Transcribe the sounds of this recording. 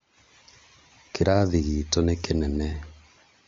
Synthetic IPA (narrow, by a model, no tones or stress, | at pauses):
keɾaðiɣitɔnekenɛnɛ